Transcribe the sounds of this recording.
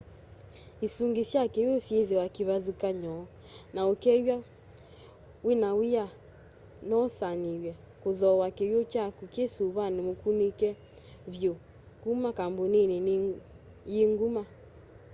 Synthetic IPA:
esuŋɡesjakejosjeðewakiβaðukaɲɔ | naokɛwa | wenaweja | nɔsanewɛ | koðɔwakejot͡ʃakukesuβanemokunekɛ | βjo | kumakambonene | jeŋɡuma

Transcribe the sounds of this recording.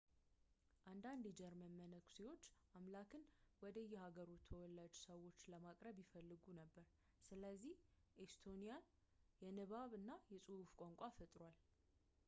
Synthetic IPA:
ʔand̪and̪jɛd͡ʒɛɾmənmːənəkʰu̥sewo̞t͡ʃːʔamlakʰɨnwɔd̪əjːɛhaɡəɾut̪ʰəwɔlːad͡ʒsəwo̞t͡ʃːləmakʼɾəβjifəlːɨɡunəbːəɾ | sɨləzːih | ʔest̪ʰo̞nijan | jɛnɨβaβɨnːajɛsʼɨhufkʷʼoŋkʷʼafət̪ʼɾwal

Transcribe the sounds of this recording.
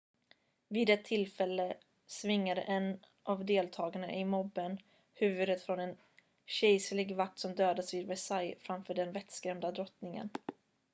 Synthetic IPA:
viːd̪ɛt̪ʰːɪlfɛlːə | svɪŋːad̪ə̰ʔɛn | ʔavd̪eːlt̪ʰɑːɡaɳa̰ʔɪmɔbːən | hʉ̟ːvɵd̪ət̪fɾɔnɛn | ɕɛjslɪɡvak̚t̪sɔmd̪øːd̪asvɪːd̪vɛsajfɾamfœːɖɛnvɛt̪skɾɛmd̪ad̪ɾɔt̪nɪŋə̰n

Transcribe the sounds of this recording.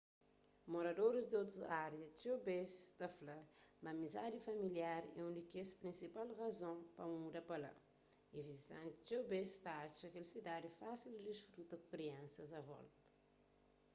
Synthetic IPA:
moɾad̪oɾizd̪iot̪uaɾiɐt͡ʃebest̪aflamamiza̰d̪ifamiliaɾɛũnd̪ikespɾĩnsipalrazõpamud̪ɐpala̰ | ivizit̪ã̰nt̪i̥t͡ʃebest̪aat͡ʃakelisid̪ad̪ifasild̪isfɾut̪ɐkukɾiãnsɐzavɔ̰lt̪ə̥

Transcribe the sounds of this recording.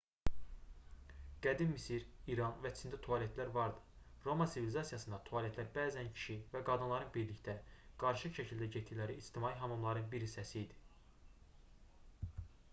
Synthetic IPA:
ɡ̥æd̪immisiɾiɾɑnvæt͡ʃʰind̪æt̪ʰoɑlet̪ʰlæɾvɑɾd̪ɯ | ɾo̞mɑnsivilizɑsijɑsɯnd̪ɑt̪ʰoɑlet̪læɾbæːzæncʰi̥ʃivæɡɑd̪ɯnlˠɑɾɯnbiɾlict̪æɡ̥ɑɾʃɯʃæcʰild̪æɟet̪ʰːilæɾiːst̪ʰimɑːiɦɑmɯmlˠɑɾɯnbiɾhisːæsiːd̪i̥

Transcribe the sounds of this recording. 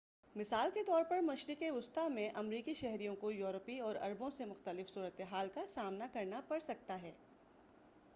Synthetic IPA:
mɪsaːlket̪ɔːɾpɐɾmɐʃɾɪkeʊst̪amẽʔɐmɾiːkiʃɛɦɾijõkojuːɾəpiɔːɾɐ̰ɾbõsemʊxt̪əlɪfsuːɾət̪eɦaːlkasaːmnakɐɾnapɐɽsɐk̚t̪aɦɛː

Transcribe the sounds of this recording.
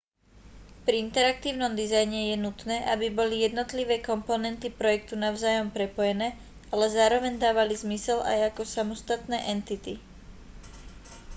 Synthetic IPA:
pɾiint̪ɛɾak̚t̪iːʊnɔmd̪izajɲɛjɛnut̪nɛːʔabibɔlijɛd̪nɔt̪liʋɛːkɔmpɔnɛnt̪ipɾɔjɛk̚t̪unaʊzaːjɔmpɾɛpɔjɛnɛː | alɛzaːɾɔʋɛɲd̪aːʋalizmisɛla̰jakɔsamɔst̪at̪nɛːʔɛnt̪it̪i

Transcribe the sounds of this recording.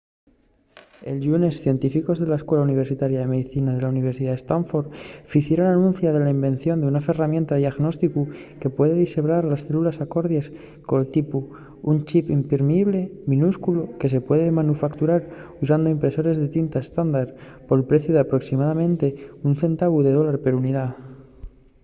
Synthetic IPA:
elʎune̞sθje̞nt̪ifiko̞zðe̞laeskwe̞launiβ̞e̞ɾsit̪aɾjaðe̞me̞ðiθinaðe̞launiβ̞eɾsiðaðest̪aɱfo̞ɾfiθjeɾonanũn̟θjað̞e̞laimbẽ̞n̟θjo̞nd̪eunafe̞ramje̞nt̪aðiaɣno̞st̪ikuke̞pwe̞ðe̞ðiseβɾaɾlasθe̞lulasako̞ɾðjas | kolt̪ipu | unt͡ʃipimpeɾmeiβle̞mĩnuskuloke̞s̬e̞pwe̞ðemanufakt̪uɾaɾus̬and̪o̞impɾe̞so̞ɾe̞zðe̞t̪int̪aest̪and̪aɾ | poelpɾe̞θjoðeapɾo̞ksimaðamẽ̞nt̪e̞unθe̞nt̪aβuðe̞ð̞o̞laɾpe̞ɾuniða

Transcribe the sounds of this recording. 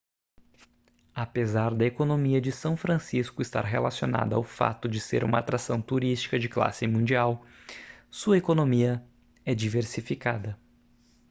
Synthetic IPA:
apezaɾd̪ɐekonomiɐd͡ʒɪsɐ̃w̃fɾɐ̃siskʊɪst̪a̰ɾɦelasiona̰d̪ɐawfa̰t̪ʊd͡ʒɪsḛɾṵ̃mɐat̪ɾasɐ̃w̃t̪uɾist͡ʃi̥kɐd͡ʒɪkla̰sɪmũd͡ʒiaw | suɐekonomiɐ | ɛd͡ʒiveɾsifikad̪ɐ

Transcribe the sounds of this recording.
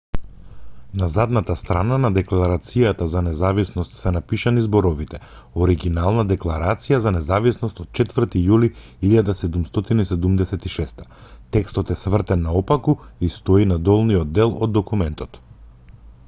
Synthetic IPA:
nazad̪nat̪ast̪ɾananad̪ɛklˠaɾat̪sijat̪azanɛzavisnɔst̪sɛnapiʃanizbɔɾɔvit̪ɛ | oɔɾiɡinalˠnad̪ɛklˠaɾat̪sijazanɛzavisnɔst̪ɔt̪̚t͡ʃɛt̪vər̩t̪ijuli | iʎad̪asɛd̪umst̪ɔt̪inisɛd̪umd̪ɛsɛt̪iʃɛst̪ḁt̪ɛkst̪ɔt̪ɛsvr̩t̪ɛnːaɔpakuist̪ɔinad̪ɔlˠnijɔd̪̚ːɛlˠɔd̪ːɔkumɛnt̪ɔt̪

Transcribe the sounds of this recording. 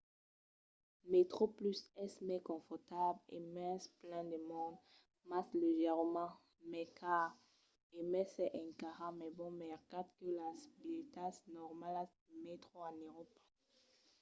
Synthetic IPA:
met̪χoplysɛsmɛkɔ̃fɔʁt̪ablḛmɛ̃splɛ̃d̪əmɔ̃d̪ | masleʒɛʁmɑ̃ | mɛkʰaʁ | emɛsɛʔɛ̃kaʁamɛbɔ̃mɛʁkat̪kəlasbit̪asnɔʁmala | met̪χoãnøʁɔp

